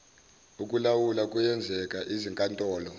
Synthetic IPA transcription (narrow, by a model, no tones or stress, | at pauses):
ukʼulawulakʼujɛnd͡zʱɛkʼaʔiziŋkʼantʼɔːlɔ